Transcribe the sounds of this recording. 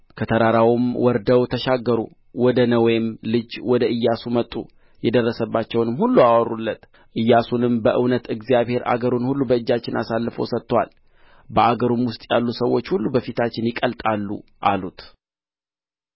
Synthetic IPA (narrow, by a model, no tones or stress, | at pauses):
kʰət̪ʰəɾaɾawʊmwʔɔɾd̪əwt̪ʰəʃaɡːəɾṵ | wɔd̪ənəwɔjɪmlɨd͡ʒwɔd̪əɨjːasumət̪ʼːṵ | jɛd̪ərːəsəbːat͡ʃːɛwnɨmhulːuawɔrːulːət̪ | ʔɨjːasunɨmbəʔɨwnət̪ɨɡzijaβhe̞ɾʔa̰ɡəɾunhulːubəɨd͡ʒːat͡ʃːɪnasalːɨfowsət̪ːwa̰l | bəaɡəɾumwʊst̪ʼjalːusəwːo̞t͡ʃːhulːubəfit̪ʰat͡ʃːɪnjɪkʼəlt̪ʼalːṵʔalut̪